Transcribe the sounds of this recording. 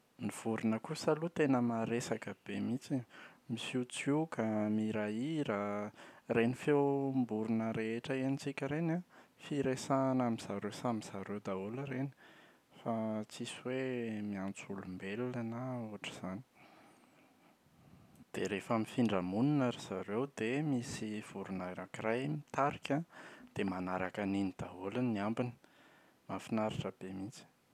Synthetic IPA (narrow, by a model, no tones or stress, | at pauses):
niv̥uɾunəkusəlut̪enəmaɾesakəb̥emit͡simisit͡sukamiɾaiɾa | renifewmbuɾunəɾeeʈ͡ʂəenit͡sikʲəɾenafiɾesanamiz̥aɾesamiz̥aɾed̪auləɾeni̥ | fat͡siswemiant͡sulumbellanauaʈ͡ʂi̥z̥ani̥ | d̪̥eɾefamifiɳɖ͡ʐamuninaɾiz̥aɾewd̪emisiv̥uɾunaɾakirajmit̪aɾikʲad̪̥emanaɾakaninid̪̥aulanniambinə̥ | mafinaɾiʈ͡ʂəb̥emit͡si̥